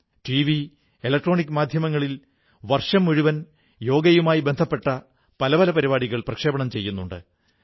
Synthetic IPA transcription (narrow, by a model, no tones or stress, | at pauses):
ʈiʋi | elɐk̚ʈro̞ːnikːɨmaːd̪ʱjɐmɐŋːɐɭil | ʋɐrʂɐmːuɻuʋɐn | jo̞ːɡɐjumaːjibend̪ʱɐpːe̞ʈːɐ | pɐlɐʋɐlɐpɐɾibaːɽiɣɐɭprɐkʂeːbɐɳɐmt͡ɕe̞jːunːuɳɖɨ̰